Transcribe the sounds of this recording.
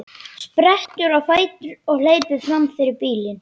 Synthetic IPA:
spɾɛht̪ʏɾawfaːjt̪ʏɾɔɣl̥eːjtʏ̥fɾamfɪɾɪɾpiːlɪn

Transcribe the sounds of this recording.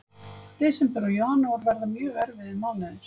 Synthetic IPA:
t̪ɪsɛmpɛɾɔjohanːavɔɾvɛɾðamjœːɣɛɾvɪðɪmawnɪðɪɾ̥

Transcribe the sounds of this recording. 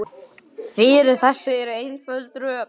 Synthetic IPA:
fɪɾɪɾθɛsːʏɛɾʏejnfœlt̪ɾœː

